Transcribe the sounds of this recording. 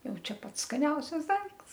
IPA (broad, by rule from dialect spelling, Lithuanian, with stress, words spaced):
ˈjɛʊ ˈt͡ʃʲɛ ˈpɐts skɐˈnʲɛʊsʲɛs ˈdɐɪkts